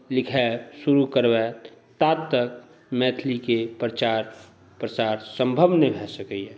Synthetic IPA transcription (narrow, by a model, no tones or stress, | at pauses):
lɪkʰɛsuɾukəɾbɛt̪aːt̪t̪ːək̚ | mɛt̪ʰlikepɾət͡ʃaɾ | pɾət͡ʃaːɾsə̃mbʱəbnebʱɛsəkɛiɦɛ̃